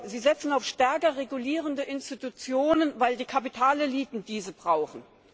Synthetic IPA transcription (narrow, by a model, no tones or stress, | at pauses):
ziːzɛt͡sn̩aʊfʃtɛɐkɐʁeɡuliːʁəndəʔɪnstitut͡sjoːnənvaɪldiːkʰapitʰaːleliːtn̩d̥iːzəbʁaʊxn̩